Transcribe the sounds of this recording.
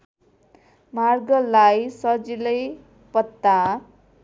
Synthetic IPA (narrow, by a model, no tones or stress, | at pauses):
marɡʌlajsʌd͡zilʌj | pʌt̪ːa